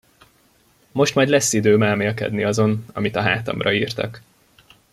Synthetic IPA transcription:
mo̞ʃt̪mɒjd̪lɛsːid̪øːmɛːlmeːlkɛ̰d̪niɒzo̞nɒ̰mit̪ɒɦa̰ːt̪ɒ̰mrɒiːrt̪ɒ̰k

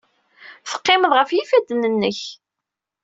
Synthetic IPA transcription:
θə̥qːɪməðˤʁəfjifæd̪ːnənːəç

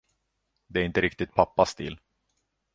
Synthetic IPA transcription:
d̪ɛæɾɪnt̪əɾɪkt̪ɪt̪̚pʰapːast̪ɪ̰lː

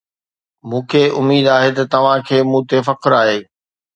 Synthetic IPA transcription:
mũːkʰeːʔʊmiːd̪aːɦet̪ɐt̪ɐʋ̤ãkʰeːmũːt̪efɐqɾaːɦeː

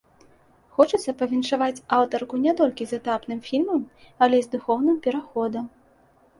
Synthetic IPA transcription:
xɔt͡ʂɨt̪sːɐpɐvʲinʂavat͡sʲawt̪ɐrkunʲɛt̪ɔlʲkʲizɛt̪apnɨmfʲilʲmɐm | ɐlʲɛzd̪uxɔwnɨmpʲɛɾaxɔd̪ɐm

